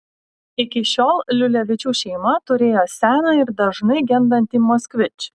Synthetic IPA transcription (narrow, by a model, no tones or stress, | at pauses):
ɪkʲɪʃʲoːlˠlʲʊlʲɛʋʲɪt͡ʃʲuːʃʲɛɪmɐt̪ʊɾʲeːjoːsʲæːnɑːɪɾd̪ɐʒnɐɪɡʲɛnd̪ɐnʲt̪ʲiːmɔːsʲkʋʲɪt͡ʃʲ